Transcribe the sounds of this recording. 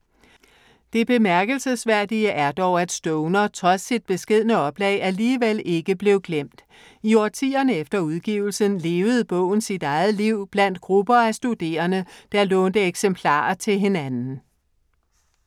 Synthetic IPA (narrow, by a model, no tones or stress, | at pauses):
d̥e̝b̥e̝mæɐɡ̥əlsəsʋæɐ̰d̥iəʔæɐd̥ɒʊæd̥sd̥ɔʊnɐt͡sʰʁɒ̽sːid̥̚b̥e̝sɡ̥e̝ð̞̰ˠnəɒ̽b̥lɛ̰ɪæɐliːʋele̝ɡ̥əb̥le̝ʊɡ̥lem̰d̥ | iɒt͡sʰḭːɐnəefd̥ɐuð̞ˠɡ̥ḭːʊl̩sənle̝ːʊð̞̩ˠb̥ɔ̰̽ʊ̰n̩sid̥ɑ̈ɪð̩ˠliʊ̰b̥læn̰d̥̚ɡ̥ʁub̥ɐæsd̥ud̥e̝̰ːɐnəd̥æɐlɔːnd̥əeɡ̥sempʰlɑ̰̈ːt͡sʰe̝lɦe̝nænn̩